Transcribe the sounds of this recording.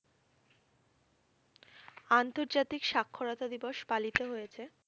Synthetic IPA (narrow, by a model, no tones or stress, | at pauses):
ant̪oɾd͡ʑat̪ikʃakʰːoɾat̪ad̪iboʃpalit̪eɦojet͡ɕʰe